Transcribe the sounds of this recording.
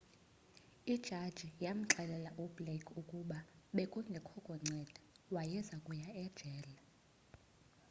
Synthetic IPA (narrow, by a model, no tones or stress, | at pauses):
id̥ʒ̥ʱad̥ʒ̥ʱijam̩ǁɛlɛlaʔublekʰukʼuɓaɓekʼuŋɡʱɛkʰɔɡ̥ʱɔŋ͡ǀʱɛd̥ʱɛ̥wajɛzakʼujaɛd̥ʒ̥ʱɛːla